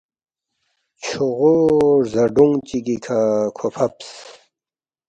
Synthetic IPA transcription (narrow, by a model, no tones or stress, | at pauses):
t͡ɕʰuʁoɾzɐɖuŋt͡ɕiɡikʰakʰopʰɐps